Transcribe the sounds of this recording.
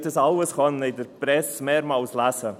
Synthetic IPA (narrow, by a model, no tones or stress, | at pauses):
təsaləsχɔnːejdəɾb̥ɾɛsmɛːɾmawslasə